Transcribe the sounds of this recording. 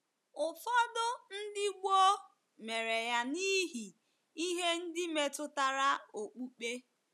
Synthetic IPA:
ʊ˨fɔ˦dʊ˦n̩˦dɪ˦ɡ͡bo˦ | me˨ɾe˨ja˦ni˦ɦi˨ | i˦ɦe˦n̩˦dɪ˦me˨tʊ˦ta˨ɾa˦o˨k͡pu˦k͡pe˦

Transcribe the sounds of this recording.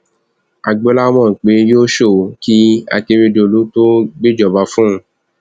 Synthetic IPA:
a˨ɡ͡bo˧˦la˦mɔ̃˦˨k͡pe˨˦joː˦ʃo˦˨ki˦a̰˧te˧ɾe˧do˧˨lu˨˦to˦ɡ͡be˦d͡ʒɔ˨ba˧˦fũ˦˧˦

